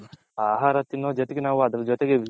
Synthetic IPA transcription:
aːɦaːɾɐt̪ːinːoːd͡ʒot̪eɡenaːʋuɐd̪ɐɾɐd͡ʒot̪eɡeʋi

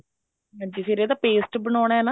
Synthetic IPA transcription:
ɦãːɲd͡ʒiːsiɾed̪aːpeːsʈbənɔːɽ̃aːɛːna

